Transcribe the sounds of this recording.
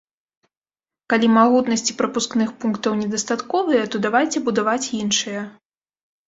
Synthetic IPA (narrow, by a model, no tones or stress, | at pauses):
kalʲimaɣut̪nɐsʲt͡sʲi̥pɾɐpusknɨxpunkt̪ɐwnʲɛd̪ɐst̪at̪kɔvɨjɐt̪ɔd̪avajt͡sʲɛbud̪avat͡sʲjinʂɨjɐ